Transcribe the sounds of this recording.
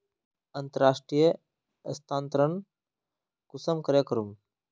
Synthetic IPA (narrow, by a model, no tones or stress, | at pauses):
ənt̪əɾaːʂʈɾijə | əst̪ʰaːnt̪ɾəɳ | kʊsəmkəɾeːkəɾum